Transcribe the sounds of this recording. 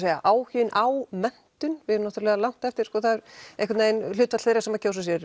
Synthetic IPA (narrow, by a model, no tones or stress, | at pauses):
eːjaʔaːwhʏːnawmɛn̥t̪ʏnvɪðnaht̪ʏɾlɛɣalawŋ̥t̪ɛft̪ɪɾ̥skɔːθaðɾejhkvat̪naejnlʏːt̪vat̪θeːɾasɛmːacʰoːwsas̬jɛɾ